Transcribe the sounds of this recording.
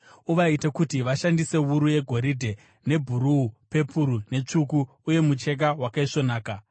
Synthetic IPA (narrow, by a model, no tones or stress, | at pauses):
uʋaitakutiʋaʃandise̞ʋuɾuje̞ɡʱo̞ɾidʱe̞ | ne̞bʱuɾuːpe̞pʰuɾune̞t͡ʂukuː | je̞mut͡ʃe̞k̬awakaiʂo̞naːka